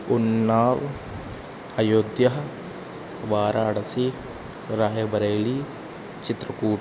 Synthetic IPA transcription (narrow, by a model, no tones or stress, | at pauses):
unːaːɾ | ɐjoːd̪jɐɦɐ | ʋaːɾaːɽɐsi | ɾaːjɐbɐɾeːli | t͡ʃit̪ɾɐkuː